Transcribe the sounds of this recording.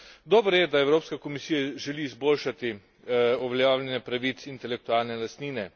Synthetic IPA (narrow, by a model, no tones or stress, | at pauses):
d̪ɔːbɾjɛd̪aɛwɾoːpskakomisiːjaʒɛliːzboːlʃat̪i | ɔʋɛlʲjawlʲɛnɛpɾaʋit̪sint̪ɛlɛk̚t̪ualnɛlast̪niːnɛ